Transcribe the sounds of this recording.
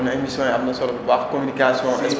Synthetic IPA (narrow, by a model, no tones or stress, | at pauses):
nemisjɔ̃jabinasɔɾɔbbakɔminikasiɔ̃ʔɛs